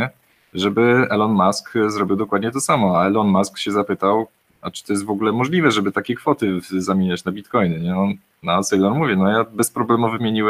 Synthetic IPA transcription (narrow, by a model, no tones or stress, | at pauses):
ɛ | ʐɛbɘɛlɔnmaskzɾɔbʲiwd̪ɔkwad̪̚ɲɛt̪ɔsamɔaɛlɔnmaskɕɛzapɘt̪aw | at͡ʂɘ̥t̪ɔjɛst̪vɔɡulɛmɔʐlʲivɛʐɛbɘt̪akʲɛkfɔt̪ɘzamʲiɲat͡ɕnabʲit̪kɔjnɛɲɛɔ | nasɛjlɔɾmuvʲjɛnɔjabɛspɾɔblɛmuvɘmʲjeɲiwɛ